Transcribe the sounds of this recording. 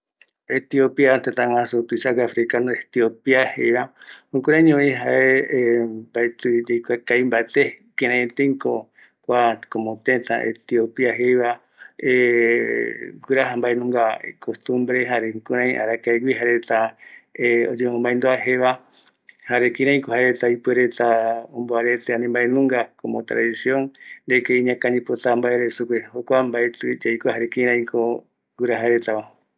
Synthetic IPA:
et̪iopiat̪et̪aŋãsut̪uisaɡafɾikanoet̪iopiahejβahũŋkuɾãĩɲõĩɦae | baet̪uɾekʷakaimbaet̪ekeɾẽt̪eŋko | kʷakomõt̪ẽt̪ã̰ʔḛt̪iopiaɦejβa | e | ɡɨɾaɦambaenũŋɡakʰost̪umbɾeɦaɾeukuɾãj̃ʔa̰ɾakaeɡiɦaɾet̪a | od͡ʒemõmbaẽnd̪oaɦeβa | haɾekĩɾ̃ãĩkohaɾet̪aipeɾet̪aõmboaɾet̪eãnĩmbaenũŋɡakomõt̪ɾa̰ðisjõŋd̪ekeiɲãkaɲĩpot̪ambaeɾesukʷehokʷambaet̪ɨd͡ʒajkoɦaɾekĩɾãĩko | ɡuɾaɦaɾet̪aβa

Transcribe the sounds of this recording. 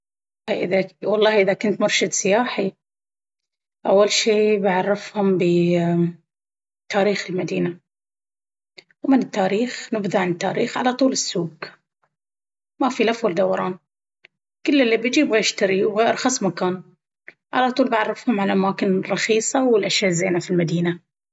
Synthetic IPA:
ɑːʔɪðawɑlˤːɑːhʔɪðakʊnt̪mɑɾˤʃɪd̪sɪjaːħi | ʔawːalʃiːbɪʕarˤːɪfhʊmbɪ | t̪aːɾiːxɪlmad̪iːna | wmɪnɪt̪ːaːɾiːxnɪbðaʕanɪt̪ːa̰ːɾiːxʕalat̪ˤuːlɪsːuːɡ | mafilafʊld̪awɑɾˤɑːn | kɪlːɪlːibɪd͡ʒiːbɣeːɾʃt̪aɾiwɣeːɾxɑsˤmakaːn | ʕa̰lat̪ˤuːlbʕarˤːɪfhʊmʕalaʔamaːkɪnrˤːɑxiːsˤɑwɪlʔaʃjaːʔzːeːnafilmad̪iːna

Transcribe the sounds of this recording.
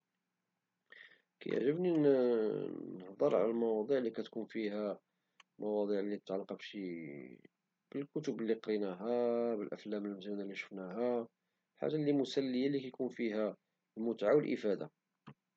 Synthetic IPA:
kæ̰jə̰ʕʒəbni | əhd̪ˤəɾˤʕa̰lælmɑwɑd̪ˤiʕlikæt̪kunfihæ | mʔɑwɑd̪ˤiʕlːit̪ət̪ʕalːqɑbʃi | b̥əlkʊt̪ʊbəlːiqɾinæɦæbəlʔə̰flæməlmzunalːiʃfnæɦæ | lħa̰ʒalːimʊsælːəjalikæjkunfiɦæ | lmʊt̪ʕawəlʔə̰fæd̪a̰

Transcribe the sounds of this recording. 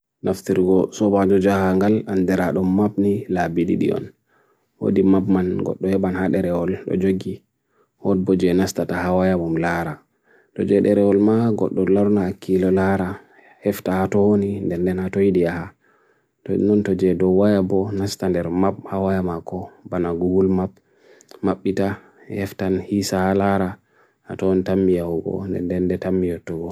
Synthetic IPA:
nʔaftiɾɡɔsɔbad͡ʒɔd͡ʒahaŋɡalandɛɾaɗɔmːabnilabiɗḭɗḭɔ̰n | wo̰dimabmanɡɔ̰ɗːɔjɛɓanhaɗɛɾɛwɔlɗɔ̰d͡ʒoɡi | hɔd̚bɔd͡ʒɛnastatahawajamumlaɾa | tɔ̰d͡ʒɛɗɛɾɛwɔlmaɡɔɗːɔlaɾnaːkːilɔlaɾa | hɛftahatɔwonindɛndɛnatojiɗiaha | tnɔntɔd͡ʒɛdɔwajabɔnastandɛɾmap̚hawajamakɔbanaɡuɡulmap̚ | maɓːita | hɛftanhisahalaɾa | ha̰tɔnitamːijawuɡɔ̰ndɛ̰ndɛndɛtamːijɔtːuɡɔ

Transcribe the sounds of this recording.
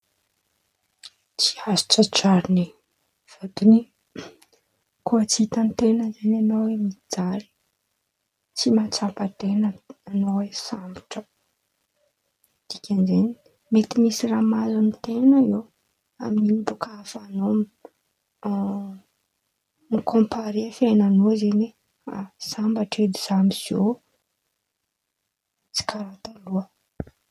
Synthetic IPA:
t͡si̥asi̥t͡sat͡ʃaɾini | v̥ad̪ini | kuət͡sit̪ant̪enəzenanowemiid͡zaɾi̥ | t͡simat͡sampat̪enəanowesambi̥ʈ͡ʂə | d̪̥ikʲʰand͡ʒeni | met̪imisiramazanit̪enəi | a̰minimibukaafanomi | mikõmpaɾefenanozene | a̰sambaʈ͡ʂed̪iz̥amiz̥o | t͡si̥kaɾat̪aluə

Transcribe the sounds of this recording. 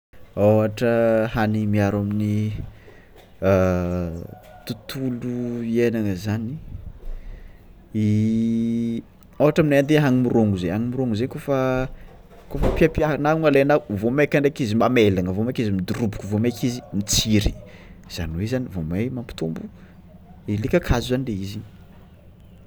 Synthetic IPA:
awaʈ͡ʂəhanimiaɾamini | t̪ut̪uluienaŋəzani | i | awɦaʈ͡ʂaminaand̪eɦaŋimiroŋuzeaŋimiɾoŋuzenikofə | kofəpiapiaanauŋalanauvomakaɳɖ͡ʐekizimamelaŋəvomakizimid̪uɾubu̥kuvomakizimit͡siɾi̥ | z̥a̰niwezanivomajmampi̥t̪umbu | elikʲəkʰazuzanileizi

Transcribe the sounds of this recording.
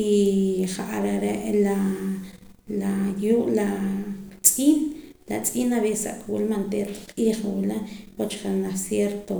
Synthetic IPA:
iχaʔaɾaɾeʔla | lajuːʔla | t͡sʼiːnlat͡sʼiːnaβese̥sa̰ʔkawilmant̪eɾqʼiːχawilapot͡ʃkanasjeɾt̪o

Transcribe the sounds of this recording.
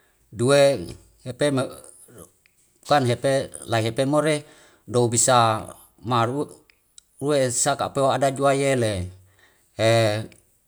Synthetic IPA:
due | hepem | kanɦepelaiɦepemoɾe | doubisa | maru | ruesaka̰peoadad͡ʒuajele | e

